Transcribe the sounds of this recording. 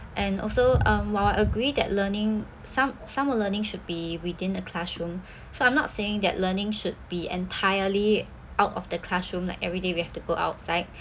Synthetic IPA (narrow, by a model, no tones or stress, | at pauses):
ʔɛ̃nɔ̰lsoʌ̃mwaɪaɪəɡɹidɛ̰ʔlənɪ̃ŋ | sãmsãmɔlənɪ̃ŋʃud̚biwidɪ̃nəkʰlaʃɹũm | soãɪ̃mnɔ̰tseɪ̃ŋdɛ̰ʔlənɪ̃ŋʃud̚biɛ̰̃ntʰaɪəli | ʔaʊtɔ̰fdəkʰl̥aʃɹũmla̰ɪkɛvɹidewihɛftuɡoʔa̰ʊt̚saɪd̚